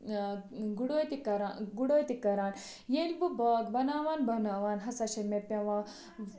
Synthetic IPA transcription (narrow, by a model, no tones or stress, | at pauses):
ɡuɽoːt̪ikɐɾaɡuɽoːt̪ikːɐɾaːn | jelbubɔːɡbɐnaːʋaːnbɐwnaːʋaːnɦɐsɐʃemepjɐʋaː